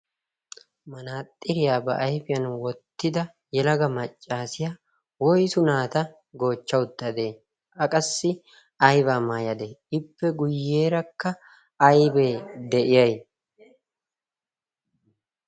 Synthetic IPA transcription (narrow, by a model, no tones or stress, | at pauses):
mɐnaːt̪ʼːɪɾɪjaːbɐʔɐjfɪjɐnwɔt̪ːɪd̪ɐ | jɛlɐɡɐmɐt͡ʃʼːaːsɪjaː | wɔjsʊnaːt̪ɐ | ɡo̞ːt͡ʃːɐwʊd̪ːɐd̪eː | ʔɐkʼɐsːɪ | ɐjbaːmaːjɐd̪eɪpːɛɡʊjːe̞ːɾɐkːɐ | ɐjbe̞ːd̪ɛʔɪjɐj